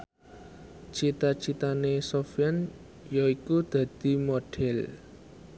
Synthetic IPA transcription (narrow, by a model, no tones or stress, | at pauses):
t͡ʃit̪at͡ʃit̪anesofian | jaikud̪̥ä̤d̪̥i̤moɖ̥ɛl